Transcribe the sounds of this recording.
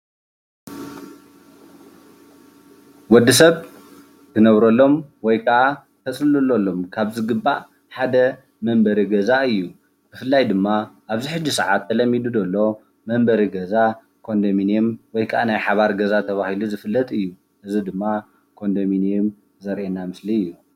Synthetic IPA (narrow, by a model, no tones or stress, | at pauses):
wɔd̪isɐβ | t̪ʰɨnɐβɾɐlːo̞mwɔjkʰɐʔa | t̪ʰɐsʼɨlɨlːolːo̞mkʰaβzɨɡɨbːaʔ | ħad̪ɐ | mɐmbɐɾiɡɐzaɨjːu | b̥ɨfɨlːajd̪ɨmːaʔaβziħɨd͡ʒːisɐʕat̪ʰːɐlɐmːid̪ud̪ɐlːo̞ | mɐmbɐɾiɡɐza | kʰo̞nd̪ɐminemwɔjkʰɐʔanajħaβaɾɡɐzat̪ʰɐβahiluzɨfɨlːɐt̪ʼɨjːu | ʔɨzid̪ɨmːa | kʰo̞nd̪ɐminɛm | zɐɾʔenamɨsliɨjːu